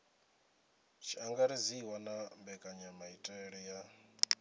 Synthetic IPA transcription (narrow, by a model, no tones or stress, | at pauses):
t͡ʃʰiaŋɡaɾiziwanambɛkʼaɲamaitʼɛɺija